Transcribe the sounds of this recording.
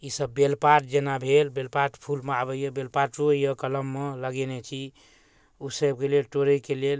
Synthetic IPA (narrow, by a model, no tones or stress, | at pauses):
isəbːelpaɾʈ̚d͡ʒenabʱelbelpaɾʈpʰulmeabəjəbelpaɾʈujəkələmːeləɡenɛt͡ʃʰi | usəb̚kelelʈoɾəkelel